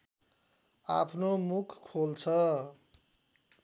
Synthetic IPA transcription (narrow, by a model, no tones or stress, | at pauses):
a̰pʰnomukʰːolt͡sʰʌ